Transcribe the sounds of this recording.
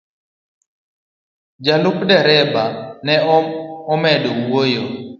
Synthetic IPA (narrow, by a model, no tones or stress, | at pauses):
d͡ʒalʊkdɛɾɛbanɛɔmɛdowojo